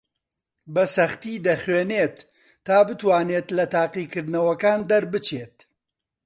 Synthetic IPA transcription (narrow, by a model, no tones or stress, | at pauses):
bɐsɐχt̪iːd̪ɐχweːneːt̪ː | aːbɨt̪waːneːt̪lɐt̪aːqikɨɾd̪nɐwɐkaːnd̪ɐɾbɨt͡ʃʰeːt̪̚